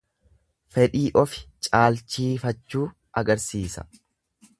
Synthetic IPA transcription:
fɛᶑiːʔɔfɪ̥t͡ʃʼaːlt͡ʃːiːfɐt͡ʃːuː | ʔɐɡɐɾsiːsɐ̥̰

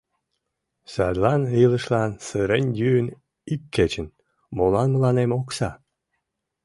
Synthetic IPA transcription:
sɑd̪lɑnɯləʃlɑnsɨɾenʲjyːn | ikːet͡ɕə̆n | molɑnməlɑnemoksɑ

